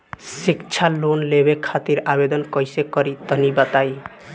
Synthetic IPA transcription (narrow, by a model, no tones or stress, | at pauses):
sikt͡ʃʰalonlebekʰat̪iɾabed̪ənkʌjsekʌɾit̪ənibət̪aj